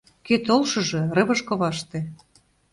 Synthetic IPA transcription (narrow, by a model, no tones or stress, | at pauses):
ket̪olʃɤ̆ʒɤ̆rɤ̆βɤ̆ʃkŏβɑʃt̪ĕ